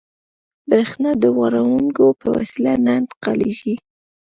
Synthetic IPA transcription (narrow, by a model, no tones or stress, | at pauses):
bɾexnɑd̪əɣaɾawuŋkopəwa̰silanand̪qaleʒi